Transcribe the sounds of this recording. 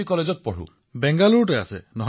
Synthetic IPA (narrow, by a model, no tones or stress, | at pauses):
ikɔled͡ʒɔt̪̚pɔɽṵ | bɛŋɡaluɾʈeasenɔɦ